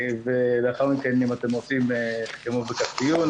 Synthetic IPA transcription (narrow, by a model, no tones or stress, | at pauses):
veleaχaʁmikenimat̪e̞mʁot͡simkemuvbekast̪ijun